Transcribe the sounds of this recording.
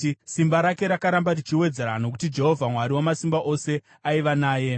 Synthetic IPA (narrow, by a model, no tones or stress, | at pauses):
simbaɾake̞ɾakaɾambarit͡ʃiwe̞d͡zeɾano̞k̬u̥tid͡ʒe̞ɦo̞vʱamwaɾiwamasimbaʔo̞se̞ | aiʋanaːje̞